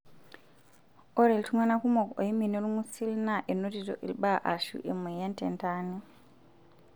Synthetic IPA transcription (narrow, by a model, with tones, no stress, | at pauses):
ɔ˦ɾe˨ltu˦mwa˦na˦ku˦mo˨ko˨i˦mi˨no˦ɾu˦mu˦si˦lna˦ʔe˨no˦ti˨to̰˨ʔḭ˨lɓa˦˨ʔa˨ʃṵ˦ʔe˨me˨ja˦ntḛ˨nta˦ne˦